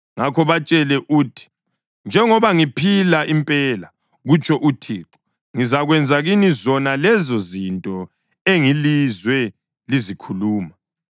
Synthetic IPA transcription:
ŋakʰɔβat͡ʃʼɛlɛʔuːtʰi̥ | nd͡ʒʱɛŋɔβaŋipʰilaimpʼɛːla | ɣut͡ʃʼɔʔutʰiːǁɔ̥ | ŋizaɣwɛnd͡zʱaɣinizɔnalɛzɔzintʼɔ | eŋilizwɛ | lizikʰuluːma

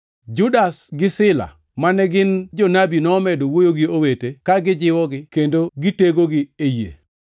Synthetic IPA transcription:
d͡ʒʊdasɡɪsɪla̰ | manɛɡɪnd͡ʒɔnabinɔːmɛdowojoɡiowetekaɡɪd͡ʒɪwɔɡɪkendoɡiteɡoɡɪejḛ

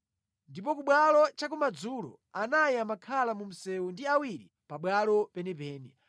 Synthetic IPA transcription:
ndip̬ɔkuɓwalɔt͡ʃak̬umad͡zulɔ̰ | anajiamakʰalamum̩sɛwundiawiɾi | paɓwalɔpɛnɛpɛːnɛ

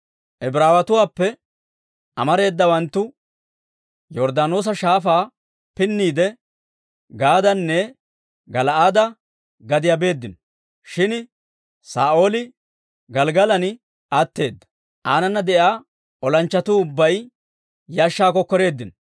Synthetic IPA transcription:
ʔɛbɾaːwɐt̪ʊwaːpːɛ | ʔɐmɐɾe̞ːd̪ːɐwɐnt̪ːʊ | jɔɾd̪aːnoːs̬ɐʃaːfaː | pɪnːiːd̪ɛ | ɡaːd̪ɐnːɛ | ɡɐlaːd̪ɐ | ɡɐd̪ɪjabe̞ːd̪ːɪnɔ | ʃɪn | saːʔo̞ːlɪ | ɡɐlɡɐlɐnɪ | at̪ːe̞ːd̪ːɐ̥ | ʔaːnɐnːɐd̪ɛʔjaː | ɔlɐnt͡ʃːɐt̪uːʊbːɐj | jaːʃːaːkːɔkːɔɾe̞ːd̪ːɪnɔ

